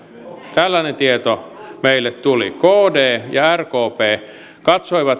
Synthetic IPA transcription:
t̪ælːænent̪iet̪omeilːet̪t̪ulḭkoːdeːjɑærkoːpeː | kɑt̪soiʋɑt̪

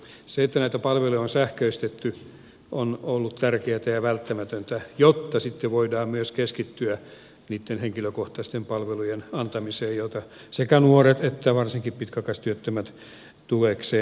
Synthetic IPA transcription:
seet̪ːænæit̪æpɑlʋelujonsæhkøyst̪et̪ːy | ʔonolːut̪t̪ærkeæt̪æjɑʋælt̪ːæmæt̪ønt̪æjot̪ːɑsit̪ːeʋoidɑːmyøskeskit̪ːyæ | niːt̪ːenheŋkiløkoht̪ɑist̪empɑlʋelujenɑnt̪ɑmiseːjjot̪ɑ | sekænuoret̪et̪ːæʋɑrsiŋkippit̪kɑkɑst̪yøt̪ːømæt̪ | t̪ulekseː

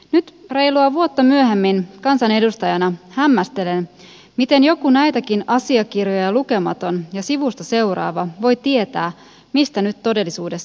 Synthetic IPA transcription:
nyt̪re̞jluɑʋuot̪ːɑmyøɦemːinkɑnsɑne̞dust̪ɑjɑnɑhæmːæst̪e̞len | mit̪e̞njo̞kunæjt̪æk̟inʔɑsiɑkirjojɑluke̞mɑ̰t̪o̞njɑsiʋust̪ɑse̞wrɑ̰ːʋɑʋo̞jt̪ie̞t̪æː | mist̪ænyt̪t̪ːo̞de̞lːisuːde̞s

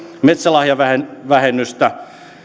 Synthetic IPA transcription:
met̪sælɑhjɑʋæhenʋæhenːyst̪æ

